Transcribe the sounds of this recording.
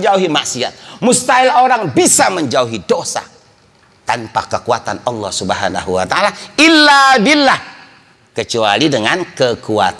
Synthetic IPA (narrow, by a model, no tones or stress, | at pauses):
d͡ʒauɦimaʔsia̰t̪̚must̪aɪloɾaŋbisaməɲd͡ʒauɦidosa̰ | t̪anpa̰kəkuat̪anɑlːɔhsubəɦana̰ɦuwat̪aalailːabilːah | kət͡ʃualidəŋankəkua̰t̪